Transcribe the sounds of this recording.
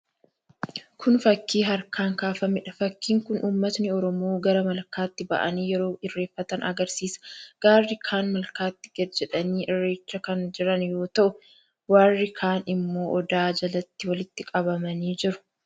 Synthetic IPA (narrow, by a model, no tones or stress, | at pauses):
kʰʊnfɐkːiːɦɐɾkaːŋkaːfɐmɪᶑɐ̥fɐkːiːŋkʊnʔuːmːɐt̪nɪɔɾɔmoːɡɐɾɐmɐlkaːt̪ːɪbɐ̰ʔɐ̰niːjɛɾo̞ːʔɪrːe̞ːfːɐt̪ɐnʔɐ̰ɡɐɾsiːsɐ̥ɡ̥aːɾːɪkʰaːnmɐlkaːt̪ːɪ̥ɡɐd̪d͡ʒɛᶑɐniːʔɪrːe̞ːt͡ʃːɐkɐnd͡ʒɪɾɐnjo̞ːt̪ɐʔʊ | waːrːɪkʰaːnɪmːo̞ːʔɔd̪aːd͡ʒɐlɐt̪ːɪwɐlɪt̪ːɪkʼɐbɐmɐniːd͡ʒɪɾʊ̥